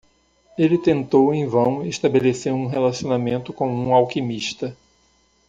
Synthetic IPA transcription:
elɪt̪ẽnt̪owẽj̃vɐ̃w̃eʃt̪abeleseɾũɦelasionamẽnt̪ʊkõw̃ũawkimiʃt̪ɐ

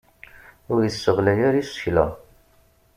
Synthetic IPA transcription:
ʊɾjəsːəʁlæjæɾisə̥çlə̰

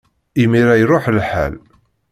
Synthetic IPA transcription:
imiɾæjɾʊħlħa̰l

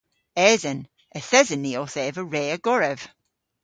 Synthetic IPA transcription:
ɛːzən | əθɛzənːiɔθɛːvəɹeːəɡ̥ɔɹɛv̥

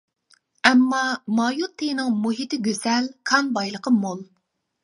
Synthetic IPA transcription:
ɛmːɑmɑjut̪ʰːenɨŋmuɦit̪ɪɡʲøzɛlkʰɑnbɑjlˠəqʰəmolˠ

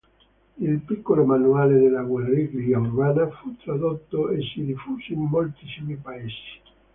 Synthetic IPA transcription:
ilpikːolomanuaːled̪elːaɡwelɾiɡɾiaurbaːnafut̪ɾad̪ot̪ːoesːid̪ifuːsoimːolt̪isimipaesi̥

